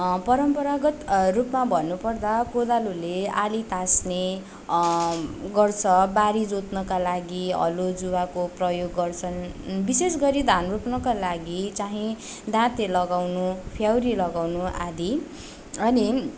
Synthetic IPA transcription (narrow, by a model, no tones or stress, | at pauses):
pʌɾʌmpʌɾaɡʌt̪rupmabʱʌnːupʌrd̪akod̪alulealit̪asne | ɡʌrt͡sʰʌbaɾid͡zot̪nʌkalaɡiʌ̰lod͡zuwakoprʌjoɡːʌrt͡sʰʌnbisesɡʌɾid̪ʱanrupnʌkalaɡit͡saɦĩ | d̪ãt̪elʌɡawnupʰjawɾilʌɡawnuʔad̪i | ʌni